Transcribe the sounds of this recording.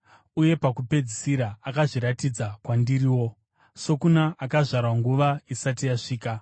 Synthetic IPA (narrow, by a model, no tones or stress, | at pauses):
uje̞pakupe̞d͡zisiɾaakaʐiɾatid͡zakwandiɾiːwo̞ | so̞kunaʔakaʐarwaŋɡuʋaisatijaʂiːka